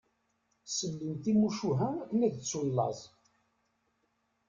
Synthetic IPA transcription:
səlːimt̪imuʃuɦænæðt͡sːwijlɑ̰zˤ

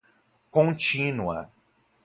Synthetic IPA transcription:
kõnt͡ʃĩnuɐ̰

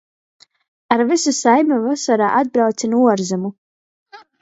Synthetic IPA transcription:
aɾvisusajmʲɛvasaɾaːʔad̪̚bɾawt̪sinuɔɾzamu

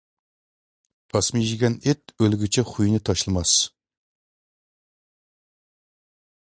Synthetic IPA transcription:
pʰɑsmiʒiɡʲɛnet̪̚ølɡʲit͡ʃʰɛχujnɪt̪ʰɑʃlˠɨmɑs

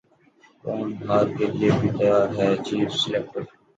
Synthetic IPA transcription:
koːnɦaːɾkeliebʱit̪əjaːɾɦɛːt͡ʃiːfsɪlɛk̚ʈəɾ

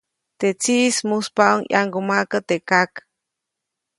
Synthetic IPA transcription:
t̪et͡siʔsmuspauŋj̰ʔa̰ŋɡumakət̪ekak

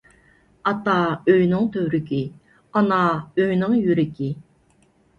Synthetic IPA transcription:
ɑt̪ɑøjnɪŋt̪ʰøwɾykʲi | ɑnɑøjnɪŋjyɾɪkʲi

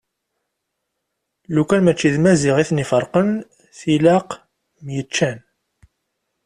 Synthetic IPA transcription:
lukænmæt͡ʃːiðmæziʁiθnifəɾˤqən | θilæq | mjət͡ʃːæn

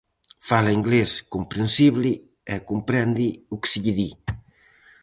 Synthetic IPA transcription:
falaiŋɡleskumpɾensiβli | ɛkumpɾɛnd̪iuksiʎiði

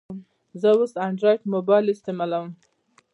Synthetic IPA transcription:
m | zəwosaɳɖɾoɪd̪mobɑjlɪst̪ɪmɑlawəm

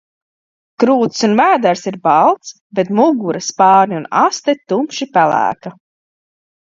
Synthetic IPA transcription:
kɾuːt̪sunvæːd̪aɾsiɾbalˠt̪s | bet̪muɡuɾaspɑːɾnʲiuna̰st̪ɛt̪umʃipælˠæ̰ːka

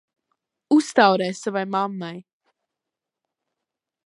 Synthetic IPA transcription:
ust̪awɾɛːsavajmamːaj

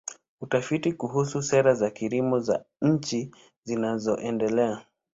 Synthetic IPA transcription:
utafitikuɦususɛɾazakilimɔza̰ | ɲ̩t͡ʃi | zinazɔʔɛndɛlɛa

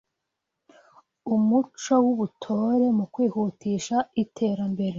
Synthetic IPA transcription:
umut͡ʃo̞wuβutʰoːɾe̞mukwiːhutiːʃaitʰe̞ːɾambe̞ɾe̞

